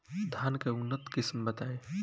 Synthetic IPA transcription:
d̪ʱankeunːət̪kismbət̪ae

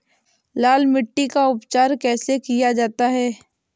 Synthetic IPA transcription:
laːlmɪʈːikaʊpt͡ʃaːɾkɛːsekijad͡ʒaːt̪aɦɛː

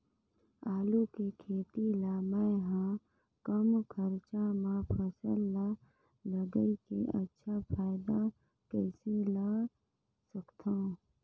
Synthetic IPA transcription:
aːlukekʰeːt̪ilaːmə̃ɦã | kəmkʰəɾt͡ʃamãpʰəsəlːa | ləɡəikeʔə̰tːʃʰapʰaːɪd̪a | kɛːselaː | səkt̪ʰaũ

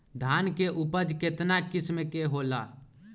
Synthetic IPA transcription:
d̪ʱaːnkeʔupəd͡ʒket̪nakɪsmekeɦola̰

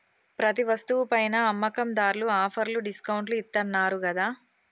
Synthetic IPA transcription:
pɾɐt̪̬iʋɐst̪uʋupɐjnɐːmːɐkɐmd̪aːɾluaːpʰɐɾluɖiskɐwɳʈluit̪ːɐnːaːɾuɡɐd̪aː

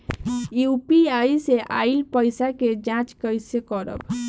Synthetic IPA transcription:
jupiajseʔa̰ilpəjsaked͡ʒãt͡ʃkəjsekəɾə̰b

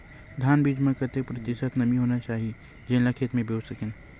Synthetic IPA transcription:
d̪ʱjaːnbiːd͡ʒmɐɾkəɾt̪epʊɾɐt̪ɪsət̪nɐmĩɦoːnat͡ʃaːɦie | d͡ʒẽːlakʰeːt̪mẽbʱoːsɐken

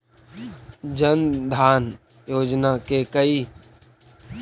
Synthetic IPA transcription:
d͡ʒənd̪ʱaːn | joːd͡ʒnaːkeːkəiː

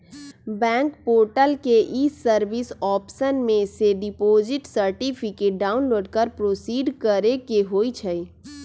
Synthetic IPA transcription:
bɛ̃ːŋkpoːɾʈəlkeʔisəɾʋisɔːpsənmẽseɖipoːd͡ʒɪʈsəɾʈipʰikeʈ̚ɖaːʊnloːɖkəɾpɾoːsiːɖkəɾekeɦoːit͡ʃʰəi

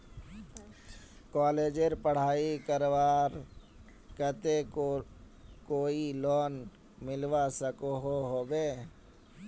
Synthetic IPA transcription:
kɔːleːd͡ʒeɾpəɽ̤aːikəɾwaːɾ | kət̪eko | koːilɔːn | mɪlwasəkoɦoɦoːbeː

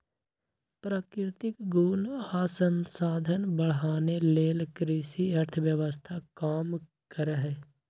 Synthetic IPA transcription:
pɾaːkɾɪt̪ɪkɡuːlaːsə̃nsaːd̪ʱənbəɽ̤ɦaːneleːlkɾɪsiəɾt̪ʰəʋjəʋəst̪ʰakaːm | kəɾɦɛː

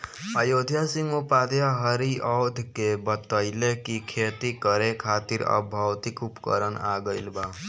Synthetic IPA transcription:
ajod̪ʱjasimopad̪jaɦʌɾiʔʌwd̪ʱkebʌt̪əjlekikʰet̪ikʌɾekʰat̪iɾʌ̰bʱʌwt̪ikupkʌ̰ɾənaɡʌjlba

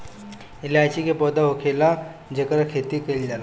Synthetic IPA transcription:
ilaːt͡ɕikepɔd̪aɦokʰela | d͡ʑekəɾakʰet̪ikeld͡ʒala

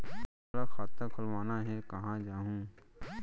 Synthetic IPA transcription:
ɾakʰaːt̪ːakʰʊlʋaːnaɦɛkɐɦãd͡ʒaːɦũː

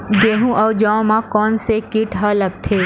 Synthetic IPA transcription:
ɡeɦũʔəʊd͡ʒãmãkɔːnsekɪʈɦaləɡ̚t̪ʰeː

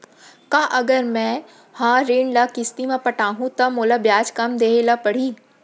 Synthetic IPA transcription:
kãːʔɐɡəɾmɛ̃ | hãːɾiːɳlakɪst̪imẽpɐʈaːɦũt̪ɐmoːlabjaːd͡ʒkɐmd̪eːelapɐɽ̤iː

